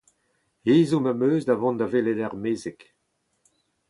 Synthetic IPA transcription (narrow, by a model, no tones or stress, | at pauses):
eːzomamøːzdavɔ̃nd̪aveːledaʁmeːzek